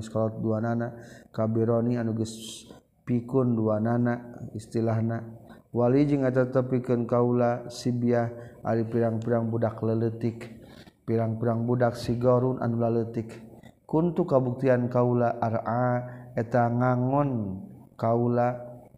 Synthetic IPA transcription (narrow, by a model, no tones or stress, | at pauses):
skaladuananakabiɾonianuɡəs | pikunduananaist̪ilaɦna | walid͡ʒɨŋɛt̪at̪əpikunkaulasibiahʔa̰ɾipiɾaŋpiɾaŋbudaklələt̪ikpiɾaŋpiɾaŋbudak̚siɡɔɾunʔa̰nulalət̪ik | kːunt̪ukabuk̚t̪iankaulaʔaɾʔaɛt̪aŋaŋɔnkaula